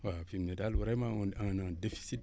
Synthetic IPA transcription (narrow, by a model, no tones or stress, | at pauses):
wafimnedalwuɾamaaŋnãdefi̥sit̚